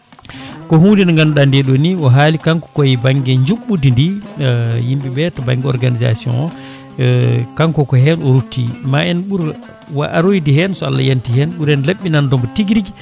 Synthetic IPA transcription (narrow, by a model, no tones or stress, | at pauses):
kɔɦudinŋɡanɗandɛɗɔniɔɦaːlikaŋkɔ̥kɔjibaŋɡɛɲd͡ʒuɓːudindi | jimɓibɛtɔba̰ŋɡɛɔ̰ɾɡaniza̰siɔ̰nɔ | kaŋkɔkɔɦɛnɔɾutʰːḭmaɛnɓuɾ | wa̰ʔaɾojidihɛnsɔa̰lːa̰jantihɛnɓuɾɛnleɓːinandɔmbɔtiɡɾiɡ